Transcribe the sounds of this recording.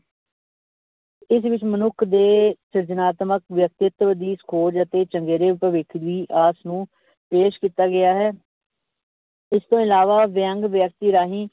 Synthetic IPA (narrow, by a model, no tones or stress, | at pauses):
ɪs̬ʋɪt͡ʃmənʊkʰd̪eːsɪɾd͡ʒənaːt̪məkʋjək̚t̪ɪt̪ʋəd̪iːskʰoːd͡ʒət̪eːt͡ʃəŋɡeːɾeːʊpəʋɪkʰʋiːʔaːsnũː | peːʃkiːt̪aːɡɪjaːɦɛː | ɪst̪õːɪlaːʋaːʋə̃ŋɡʋjək̚t̪iːɾaːɦĩː